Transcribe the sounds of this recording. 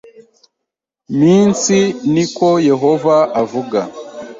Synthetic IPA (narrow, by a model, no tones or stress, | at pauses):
miːnsiniko̞je̞ɦo̞vaʔavuɡa